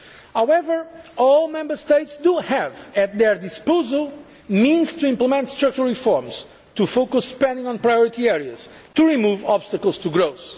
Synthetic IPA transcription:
hawɛvə˞ɔlˠmɛ̃mbə˞st̪eɪtsd̪uhævɨt̪̚ðɛɹd̪ispozəlˠ | mĩnz̥t̪uĩmpləmɛ̃nt̪st̪ɾak̚t͡ʃəɹifɔɹmz̥ | t̪ufokusːpɛ̃ndĩŋɔ̃npɹajɔɹit̪iɛɹiɐz̥ | t̪uɹimuvɔbst̪əkəlˠst̪uɡɾoʊs

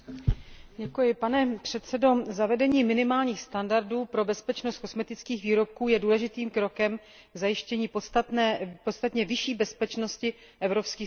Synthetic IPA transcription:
ɟɛkujɪpanɛpr̝̥ɛt̪sɛdo̞zavɛdɛɲiːmɪnɪmaːlɲiːxst̪andaɾduːpɾo̞bɛspɛt͡ʃnost̪ko̞smɛt̪ɪt͡skiːxviːɾo̞p̚kuːjɛduːlɛʒɪt̪iːmkɾo̞kɛm | ɡzajɪʃcɛɲiːpost̪at̪nɛːpot̪st̪at̪ɲɛvɪʃiːbɛspɛt͡ʃno̞scɪ | ʔɛvɾo̞pskiː

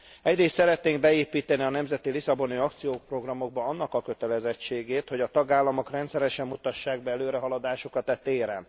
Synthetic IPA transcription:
ɛɟreːst̪sɛɾɛt̪neːŋɡbɛeːpiːt̪ɛniɒnɛmzɛt̪ilisɒbo̞niɒkt̪sijoːpro̞ɡrɒmo̞ɡ̚bɒɒnːɒkɒkø̞t̪ɛlɛzɛt͡ʃːeːɡeːt̪ho̞ɟɒt̪ɒɡaːlːɒmo̞krɛnt̪sɛɾɛʃɛmːut̪ɒʃːaːɡ̚bɛɛløːɾɛɦɒlɒd̪aːʃo̞kɒt̪ɛt̪ːeːɾɛn

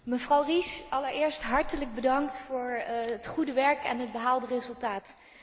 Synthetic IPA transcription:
məvrɑwrisʔɑləɹɪːɹstɦɑɹtələɡ̚bədɑŋk̚tfʊːɹətχudəʋɛɹkɛ̰nɦəd̚bəɦaːlˠdərezɵlˠtaːt

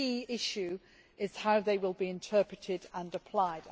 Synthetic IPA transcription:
iːɪʃʉ | ɪz̥haʊðeɪwɪlˠbiɪ̃ntʰɜˑpɹ̥ɪtʰɪdə̃nəpʰl̥aɪd

